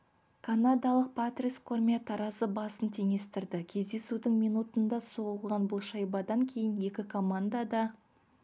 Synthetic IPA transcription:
kʰanad̪ɑlˠəq̚pat̪rʲiskʰormʲijat̪ʰɑɾɑsəbɑsənt̪ʰe̞ŋe̞st̪ɪɾd̪ɪkʲʰe̞zd̪e̞sud̪ɪŋmijnut̪ənd̪ɑso̞ʁəlˠʁɑnbʊlˠʃɑjbɑd̪ɑŋkʲʰe̞jɪnje̞kʲɪkʰo̞mand̪ɑd̪ɑ

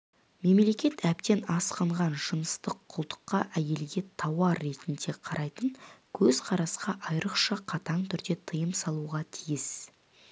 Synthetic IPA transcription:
me̞mle̞kʲe̞t̪æp̚t̪e̞nɑsqəɴʁɑnʒənəst̪əqʰʊlˠt̪ə̥qːɑʔæje̞lɡʲe̞t̪ʰɑwɑɾːe̞t̪ɪnd̪e̞qʰɑɾʔɑjt̪əɴkʲʰɵz̥qʰɑɾɑsqɑʔɑjɾəqʃɑqʰɑt̪ɑɴt̪ʰʏɾd̪e̞t̪ʰəjəmsɑlˠuʁɑt̪ʰijɪs

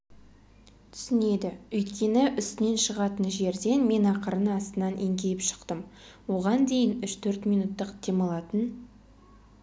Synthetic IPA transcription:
t̪ʰʏ̥sɪne̞d̪ɪɵjt̪kʲe̞nɪʔʏst̪ɪne̞nʃəʁɑt̪ənʒe̞ɾd̪e̞nme̞nɑqəɾənɑst̪ənɑnʔe̞ŋkʲe̞jɪpʃə̥qt̪əm | wo̞ʁɑnd̪e̞jɪnʏʃt̪ʰɵɾt̪mijnut̪ːəqt̪ʰe̞mɑlˠɑt̪ən

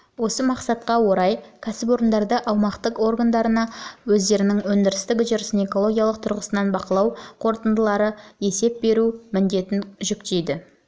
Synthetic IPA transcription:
wo̞səmɑqsɑt̪qɑwo̞ɾɑjkʲʰæsɪp̬o̞ɾənd̪ɑɾd̪əʔɑwmɑqt̪əqo̞rɡand̪ɑɾənɑwɵzd̪e̞ɾɪnɪŋwɵnd̪ɪɾɪst̪ɪkʲɪʒɪɾɪsəne̞ko̞lˠo̞ɡʲijalˠəq̚t̪ʰʊɾʁəsənɑnbɑqəlˠɑwqʰo̞ɾt̪ənd̪əlˠɑɾəje̞se̞p̚be̞ɾumɪnd̪e̞t̪ɪnʒʏkt̪e̞jd̪ɪ

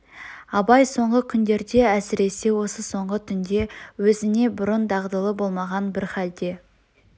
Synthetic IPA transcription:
ɑbɑjso̞ɴʁəkʲʰʏnd̪e̞ɾd̪e̞æsɪɾe̞se̞wo̞səso̞ɴʁət̪ʰʏnd̪e̞wɵzɪne̞bʊɾənd̪ɑʁd̪əlˠəbo̞lˠmɑʁɑnbɪɾχæld̪e̞

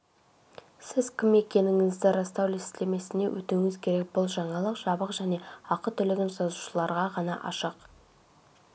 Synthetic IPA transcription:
sɪzkʲʰɪme̞kʲe̞nɪŋɪzd̪ɪɾɑst̪ɑw̪est̪leme̞sɪne̞wʔɵ̰t̪uŋɪzkʲʰe̞ɾe̞k̚bʊlˠʒɑɴɑlˠəqʒ̥ɑbəqʒæne̞ɑqət̪ʰʏlɪɡʲɪnsɑzu̥ʃəlˠɑɾʁɑʁɑnɑ̰ʔɑ̰ʃəq

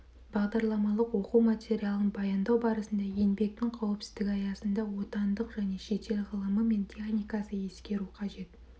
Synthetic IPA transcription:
b̥ɑʁd̪ɑɾlˠɑmɑlˠəqwo̞quwmat̪ʲeɾʲialˠənbɑjɑnd̪ɑwbɑɾəsənd̪ɑje̞nbe̞k̚t̪ɪŋqʰɑwəpsɪ̥zd̪ɪkʲɑjɑsənd̪ɑwo̞t̪ɑnd̪əqʒ̥æne̞ʃe̞t̪e̞lʁəlˠəməme̞nt̪ʲiaχnʲijkɑsəje̞skʲe̞ɾuqʰɑʒe̞t̪

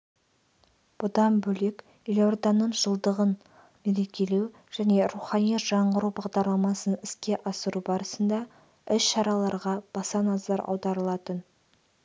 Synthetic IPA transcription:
b̥ʊd̪ɑmbɵlekʲ | ilʲord̪onːəɴʒəlˠd̪əʁən | me̞ɾe̞kʲe̞lew | ʒ̥æne̞ɾuχɑnijʒ̥ɑɴɢəɾubɑʁd̪ɑɾlˠɑmɑsənɪskʲe̞ʔɑsəɾubɑɾəsənd̪ɑ | ʏsʃɑɾɑlˠɑɾʁɑb̥ɑsɑnɑzɑɾɑ̰wd̪ɑɾəlˠɑt̪ən

